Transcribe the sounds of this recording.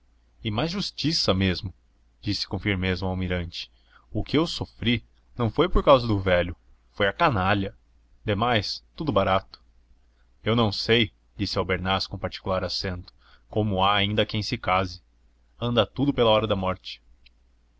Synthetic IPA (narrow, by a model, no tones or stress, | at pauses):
ɪmajzʒust͡ʃisɐmezmʊ | d͡ʒisɪ̥kõfiɾmezʊawmiɾɐ̃nt͡ʃɪ̥ | ʊkɪewsofɾi | nɐ̃w̃fojpoɾkawzɐd̪ʊvɛʎʊ | fojɐkanaʎɐ | d̪emajst̪ud̪ʊbaɾat̪ʊ̥ | ewnɐ̃w̃sej | d͡ʒisɪawbeɾnasʊ̥kõpaɾt͡ʃi̥kulaɾasẽnt̪ʊ̥ | kõmʊaːĩnd̪ɐkẽj̃sɪkazɪ | ɐ̃nd̪ɐt̪ud̪ʊpelɐɔɾɐd̪ɐmɔɾt͡ʃɪ̥